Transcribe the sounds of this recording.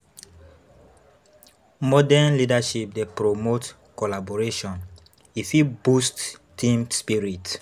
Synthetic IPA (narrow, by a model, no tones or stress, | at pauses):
mɔdɛnlidaʃip̚depɹomot | kɔlabɔɹeʃɔ̃n | ifibusttĩmspiɹit